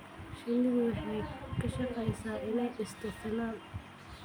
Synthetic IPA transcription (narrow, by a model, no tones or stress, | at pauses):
ʃɪnɪɣʊwɑħɑjkʰɐʃɑqɛjsaːʔɪnɛjʔɪst̪ʰʊt̪ʰɪlaːn